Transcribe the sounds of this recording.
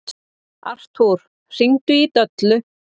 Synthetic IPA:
a̰r̥t̪huɾ̥ | r̥iŋt̪ʏit̪œt̪lʏ

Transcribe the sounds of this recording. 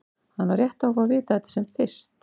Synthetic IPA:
hanːarjɛht̪awvavɪːt̪aɛt̪ḁsɛmt̪fɪr̥st̪

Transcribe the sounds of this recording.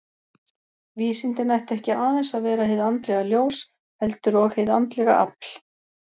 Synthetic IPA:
viːsint̪ɪnajht̪ɛhcɪʔaːðɛnsaðvɛːɾaheðant̪lɛɣaljoːws | hɛlt̪ʏɾɔɣheðant̪lɛɣa̰ʔa̰pl̥

